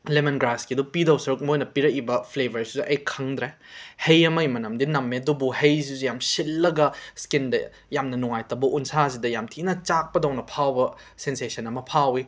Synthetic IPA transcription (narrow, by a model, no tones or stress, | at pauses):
lemɐnɡɾaskiɐdupidɐwsɐɾuk̚mojnɐpiɾɐk̚ibɐpʰlebʱɐɾsizuʔɐjkʰɐŋd̪ɾe | hɐjɐmɐjmɐnɐmdinɐmːeɐdubuhejs̬izujamsilːɐɡɐskindɐ̰ | jamnɐnuŋajtɐbɐʔunsas̬idɐjamtʰinɐt͡ʃak̚pɐdɐwnɐpʰawbɐ | sensesɐnɐmɐpʰawi